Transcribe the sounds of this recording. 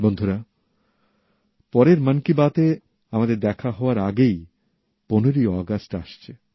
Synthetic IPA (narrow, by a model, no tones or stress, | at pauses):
bɔnd̪ʱoɾa | pɔɾeɾmənkibat̪e | amad̪eɾd̪ɛkʰaɦɔoaɾaɡej | poneɾiɔɡasʈʈaʃt͡ɕʰe